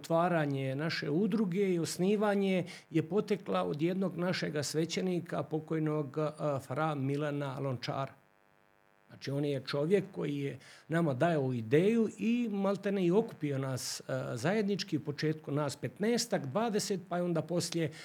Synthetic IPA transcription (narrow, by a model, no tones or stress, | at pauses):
ot̪ʋaːɾaɲenaʃe̞̰ud̪ɾuɡe̞io̞sniːʋaːɲe̞ | jepo̞t̪eklao̰d̪jed̪no̞ɡnaʃeɡasʋe̞t͡ɕeniːkʰapo̞ko̞jnoɡfɾamːilana̰lont͡ʃa̰ːɾa | znaːt͡ʃio̞njet͡ʃo̞ʋje̞kːo̞̰jijenamad̪ajeuid̪eːjuimalˠt̪eneio̞ku̥pio̞naszaje̞d̪nit͡ʃkiupo̞t͡ʃe̞ːt̪kunaːspet̪neːst̪akd̪ʋaːd̪e̞set̪̚paeo̞nd̪aːpo̞slje